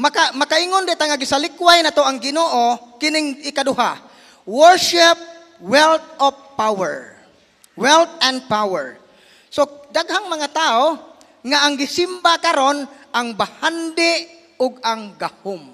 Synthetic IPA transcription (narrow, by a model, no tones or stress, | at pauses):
makamakaʔiŋond̪ɪʔt̪aŋaɡɪsalɪkwajnat̪oʔaŋɡɪnoːʔokɪnɪŋʔɪkad̪ʊɦa | wɛɹʃɪp̚ | wɛlt̪̚ɔfpawɛɹ | wɛlt̪̚ɛnd̪̚pawɛ̰ɹ | sod̪aɡhaŋmɐŋat̪ao | ŋaʔaŋɡɪsɪmbakaɾonʔaŋbahand̪ɪʔ | ʊɡaŋɡahʊm